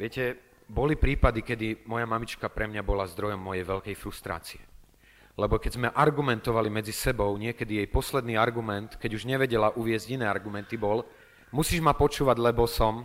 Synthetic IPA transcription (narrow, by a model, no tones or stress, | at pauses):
ʋɪɛcɛ | bɔlipɾiːpad̪ikɛd̪imɔjamamit͡ʃkapɾɛmɲabɔlazd̪ɾɔjɔmːɔjɛjʋɛʎkɛjfɾust̪ɾa̰ːt͡siɛ | lɛbɔkɛzmɛʔaɾɡumɛnt̪ɔʋalimɛd͡zisɛbɔʊɲɪɛkɛd̪ijɛjpɔslɛd̪niːaɾɡumɛnt̪kɛɟuʒɲɛʋɛɟɛlaʔuʋɪɛzɟinɛːaɾɡumɛnt̪ibɔl | musiːʒmapɔt͡ʃuːʋaɟlɛbɔsɔm